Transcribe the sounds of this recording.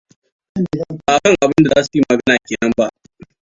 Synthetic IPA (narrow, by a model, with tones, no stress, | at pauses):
a˨kɐ˦ŋʔa˨bɪ˦nda˨za˦siː˨mɐ˨ɡɐ˦naː˨kʲeː˨nɐ˦mba˦˨ʔ